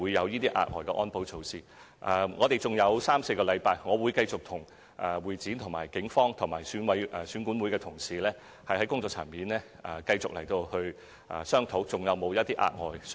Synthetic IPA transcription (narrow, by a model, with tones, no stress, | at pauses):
u˨˧jːɐ˨˧wjiː˥t̪iː˥ʔa̰ː˧t̚ŋɔː˨jkɛ˧ʔɔː˥npo˨˥wt͡sʰo˨˧wsiː˧˩ | ʔɛː˨ŋɔː˨˧t̪e˨jt͡sʊ˨ŋjɐ˨˧wsaː˥mse˧jkɔː˧lɐ˨˧jpaː˧jŋɔː˨˧wuː˨˧jkɐ˧jt͡sʊ˨k̚t̪ʰʊ˨˩ŋ | ʔɛː˨wuː˨˩jt͡siː˨˥nt̪ʰʊ˨˩ŋmaː˨˩jkɪ˨˥ŋfɔː˥ŋt̪ʰʊ˨˩ŋmaː˨˩jsyː˨˥nwɐ˨˧˥jʔɛː˨˩syː˨˥nkuː˨˥nwu˨˥jkɛː˧t̪ʰʊ˨˩ŋsiː˨lɛː˥ | hɐ˨jhɐ˨˥jkʊ˥ŋt͡sɔː˨˧k̚t͡sʰa̰ː˨˩nmiː˨nlɛː˥ | ʔɛː˨˩kɐ˧jt͡sʊ˨k̚lɐ̰˨˩jt̪o˧whɵ˧ɥ | ʔɛ̰ː˨˩sœː˥ŋt̪ʰo˨˥wt͡sʊ˨ŋjɐ˨˧wmo˨˧wjɐ˥t̪iː˥ʔa̰ː˧t̚ŋɔ̰ː˨j